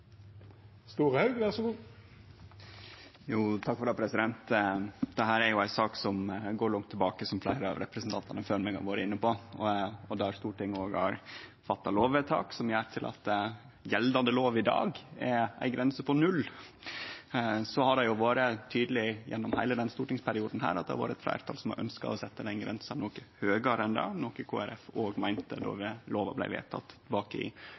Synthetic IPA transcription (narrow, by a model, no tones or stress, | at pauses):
st̪uːɾəhɑʉɡʋæʁsɔɡuː | juːt̪ʰɑkfɔɾɑːpʰɾɛsɪd̪ɛnt̪d̪ɛɦæːɾæɾjʊæɪsɑːksɔmɡoːɾɭɔŋt̪ʰːɛbɑːkəsɔmflæɪɾəɑ̰ʋɾɛ̰pɾəsnt̪ʰɑnt̪ɑnəføːɾmɛɡhɑ̰ɾʋɑːɾəɪnːəpɔ | ɔd̪ɛæɾst̪uːʈʰɪŋːoːɡɑ̰ɾfɑt̪ːɑloːʋʋɛt̪ʰɑ̰ːksɔmjæːɾt̪ʰɪlʔɑ̰t̪ | jɛld̪ɑnd̪əloːʋɪd̪ɑ̰ːɡɛæ̰ɪɡɾɛnsəpʰɔnʉlː | sɔhɑɖɛjʊʋoːɾət̪ʰyːd̪lɪjɛ̰nːɔmhæɪləd̪ɛnst̪uːʈɪŋspʰæɾɪuːd̪n̩hæ̰ːɾɑt̪d̪ɛhɑ̰ʋɑːɾəɛt̪flæ̰ːɾt̪ʰɑːlsɔmɑ̰ʔœ̰nskɑ̰ɔsɛt̪ːəd̪ɛnɡɾɛnsɑnnɔkəhøːɡɑɾɛnd̪ɑ̰ːnɔkəkʰoːæɾɛfoːɡmæɪnt̪əd̪ɔ̰ʋɪloːʋɑblæɪʋḛːt̪ʰɑ̰t̪ːbɑːkəɪ̰